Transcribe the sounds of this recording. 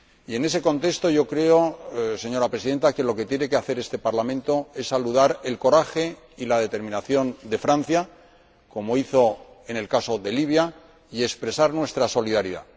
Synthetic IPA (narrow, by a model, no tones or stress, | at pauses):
ie̞ne̞se̞ko̞nt̪e̞st̪o̞ʝo̞kɾe̞o̞se̞ɲo̞ɾapɾes̬iðe̞nt̪ake̞lo̞ke̞t̪jene̞ke̞aθe̞ɾe̞st̪e̞paɾlamẽ̞nt̪o̞e̞sːaluðaɾe̞lko̞ɾaxe̞ | ilað̞e̞t̪e̞ɾmĩnaθjo̞nd̪e̞fɾan̟θja | ko̞mo̞iθo̞ | e̞ne̞lkaso̞ðe̞liβ̞ja | ie̞kspɾe̞saɾnwe̞st̪ɾaso̞liðaɾiða̰